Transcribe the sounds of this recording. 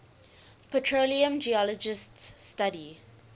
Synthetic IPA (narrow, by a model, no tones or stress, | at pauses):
pʰətʰɹoliə̃md͡ʒiɔlɔd͡ʒɪststadi